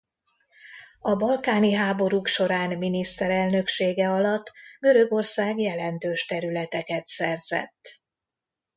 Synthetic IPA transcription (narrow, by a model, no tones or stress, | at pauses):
ɒbɒlkaːniɦaːbo̞ɾukʃo̞ɾaːnminist̪ɛɾɛlnø̞kʃeːɡɛɒlɒt̪ːɡø̞ɾø̞ɡo̞rsaːɡjɛlɛnt̪øːʃt̪ɛɾylɛt̪ɛkɛt̪sɛrzɛ̰t̪ː